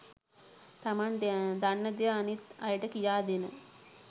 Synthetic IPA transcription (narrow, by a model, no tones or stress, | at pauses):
t̪amand̪d̪anːɐd̪jaːnit̪ɐjəʈəkijaːd̪enə̰